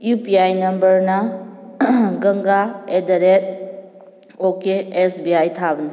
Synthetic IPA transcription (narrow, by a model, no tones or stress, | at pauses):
jupiajnɐmbəɾna | ɡɐŋɡaedɐɾet̚ | okeesbiajt̪ʰabni